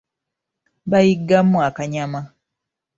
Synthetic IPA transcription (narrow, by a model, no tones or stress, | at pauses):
βajiɡːamːuakaɲama